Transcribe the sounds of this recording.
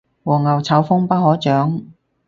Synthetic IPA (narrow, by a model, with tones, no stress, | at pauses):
wɔː˨˩ŋɐ˨˩wt͡sʰɐ˨˥wfʊ˥ŋpɐ˥t̚hɔː˨˥t͡ʃœː˨˥ŋ